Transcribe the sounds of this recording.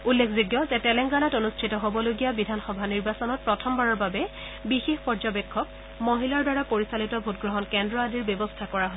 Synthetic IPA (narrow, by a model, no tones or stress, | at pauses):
ulːekʰziɡjɔzɛtɛlɛŋɡanatonustʰitɔɦobɔloɡijabidʱanxɔbʱaniɹbasɔnɔt̚pɹɔtʰɔmbaɹɔɹbabɛ | bixexpɔɹzɔbekʰːɔk̚ | moɦilaɹdaɹapoɹisalitɔbʱutɡɹɔɦɔnkɛndɹɔadiɹbjɔbɔstʰakɔɹaɦo